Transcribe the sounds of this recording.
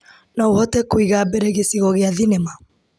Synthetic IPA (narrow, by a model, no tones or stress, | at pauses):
nɔuhɔtɛkwiɣabɛɾɛɣesiɣɔɣeaðinɛma